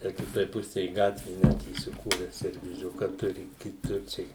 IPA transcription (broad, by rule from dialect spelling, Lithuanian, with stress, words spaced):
ˈtʲæː kʲɪˈtoːj ˈpʊsʲɛj ˈɡɑːtʲʋʲeː ˈnʲɛt iːsʲɪˈkuːrʲɛ sʲɛrʲʋʲiːˈzʲʊkɐ ˈtʊrʲɪ kʲɪˈtʊr ˈt͡ʃʲɛ ɪ